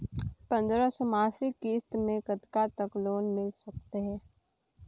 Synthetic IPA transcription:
pɐ̃nd̪ɾasɔmaːsikiːst̪mẽkət̪kat̪əkloːnmɪlsɐk̚t̪eɦɛ̃ː

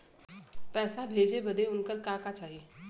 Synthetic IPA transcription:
pɛːsabʱeːd͡ʒebɐd̪eʊnkəɾkãːkat͡ʃaːɦieː

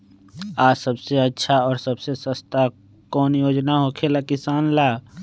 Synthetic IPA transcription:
aːsəbseətːʃʰaɔːɾsəbsesəst̪a | kɔːnjoːd͡ʒnaɦokʰelakɪsaːnlaː

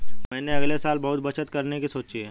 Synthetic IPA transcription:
mɛ̃ːneɐɡlesaːlbɐɦʊt̪̚bɐt͡ʃət̪kɐɾnekisoːt͡ʃiɦɛː

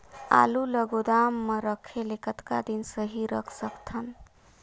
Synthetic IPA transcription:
a̰luləɡod̪amːəɾəkʰelekət̪ka̰d̪insəɦiɾəkʰsəkt̪ʰən

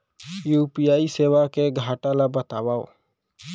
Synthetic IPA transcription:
juːpijaːiseːʋakeɡʱaːʈalabət̪aːwao̰

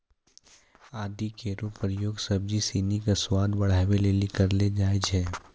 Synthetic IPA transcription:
aːd̪ikeːɾupəɾjoːɡsəb̚d͡ʒisiːnikaswaːd̪bɐɽ̤aːweleːlikɐɾled͡ʒaːed͡ʒɦɛː

